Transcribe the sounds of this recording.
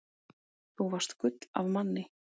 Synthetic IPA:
θuvar̥st̪kʏt̪la̰vmanːɪ

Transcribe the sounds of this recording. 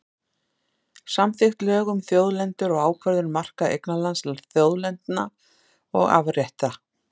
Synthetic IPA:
samθɪxt̪lɛːɣʏmθjoːwðlɛnt̪ʏɾɔɣaːwkʰvœɾðʏɾmar̥kaʔḛjknalanslaθjoːwðlɛnt̪na | ɔ̰ɣa̰vrjɛht̪a

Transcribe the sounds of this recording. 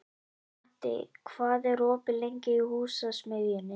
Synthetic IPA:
t̪ɪ̰kʰvaːðɛɾɔːpɪlejɲcɪihuːsasmɪðjɪnːɪ

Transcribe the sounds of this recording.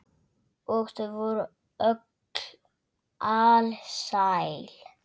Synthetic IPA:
ɔɣst̪əvɔɾ | œk | l | ʔalsajl̥

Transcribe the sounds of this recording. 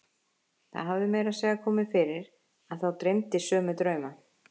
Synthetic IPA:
θa̰ðɦavðɪmɛːjɾasjɛːɣakʰɔːmɪðfɪɾɪɾ | aðθawt̪ɾejmt̪ɪsœːmʏt̪ɾœːɥma

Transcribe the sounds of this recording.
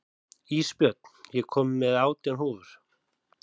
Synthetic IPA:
iːspjœt̪̚n̥jɛkʰɔːmːɛðaːwt̪ɛnɦoːvʏɾ̥

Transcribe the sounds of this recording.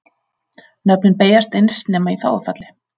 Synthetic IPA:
nœpnɪnpeːjast̪ejnsnɛːmaiθa̰wðafat̪lɪ

